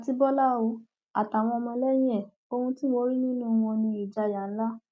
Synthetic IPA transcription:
a˨ti˧bɔ˦la˦˨o˧ | a̰˨ta˨w̃ɔ̃˧ɔ˧mɔ̃˧˦lɛ˦j̃ɛ˦˨ | o˧hũ˧ti˦mo˧˦ɾi˦nĩ˦nũ˦˨wɔ̃˧nĩ˧i˨d͡ʒa˧˨ja˨n̩˦la˦

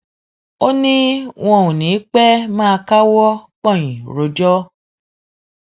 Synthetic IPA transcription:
o˦nĩ˦w̃ɔ̃˦˨ũ˨nĩ˨˦k͡pɛ˦mã˦a˧ka˦wɔ˦k͡pɔ̃˦˨j̃ĩ˨ɾo˨˧d͡ʒɔ˦

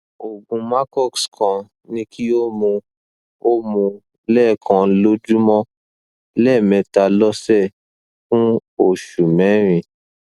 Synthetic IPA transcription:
o˨ɡũ˧ma˦kɔ˦˨kskã˧ | nĩ˧kʰi˦o˦mũ˧ | o˦mũ˧ | lɛ˦˨kʰã˧lo˦d͡ʒu˦mɔ̃˦ | lɛ˦˨mɛ̃˨˧ta˧lɔ˦sɛ˦˨ | fũ˦o˦˨ʃu˨mɛ̃˨˦ɾ̃ĩ˧

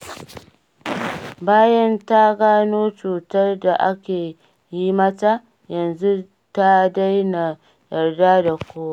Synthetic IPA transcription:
baː˦jɐ˦nta˦ɡaː˦noː˦t͡ʃuː˨tɐ˦rda˨ʔa˦kʲeː˨ | jiː˦mɐ˦ta˦ | jɐ˨nzu˦ | ta˦da˦jna˨ | jɐ˨rda˦da˨kʷoː˦a˦

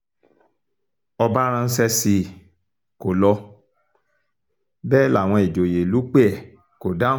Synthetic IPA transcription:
ɔ˧ba˦ɾ̃ã˧n̩˦sɛ˧si˧ | ko˨lɔ˧ | bɛː˦la˦˨w̃ɔ̃˧i˨d͡ʒo˨je˨lu˨˦k͡pe˦ɛ˦˨ | ko˨da˦

